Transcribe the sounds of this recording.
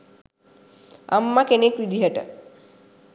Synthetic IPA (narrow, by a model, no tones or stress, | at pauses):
a̰mːakenekʋid̪ʱiɦəʈə̰